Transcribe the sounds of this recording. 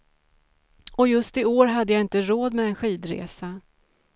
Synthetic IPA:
ɔjɵst̪ɪoːɾɦad̪ːəjaɪnt̪əɾoːd̪mɛɛnɧiːd̪ɾḛːsa

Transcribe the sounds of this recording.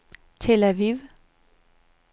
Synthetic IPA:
t͡sʰelæʋiʋ

